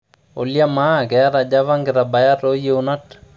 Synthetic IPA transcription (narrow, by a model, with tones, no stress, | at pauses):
o̰˨lja˦ma˦˨kɛ˨a˦ɾa˨d͡ʒa˦va˦ŋɡɪɾaba˨ja˦to˦je˦una˦t